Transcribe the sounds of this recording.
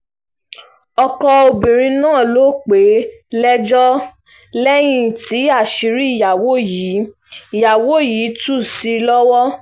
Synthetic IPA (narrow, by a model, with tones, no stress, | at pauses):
ɔ˧kɔ˧o˧bĩ˨ɾ̃ĩ˧nãː˦˨lo˨˦k͡pe˨˦lɛ˦d͡ʒɔ˦ | lɛ˦j̃ĩ˦ti˨˦a˦˨ʃi˨˦ɾi˦i˦˨ja˨wo˨˦ji˨˦ | i˨ja˨wo˨˦jiː˨˦tu˦˨si˦lɔ˦wɔ˦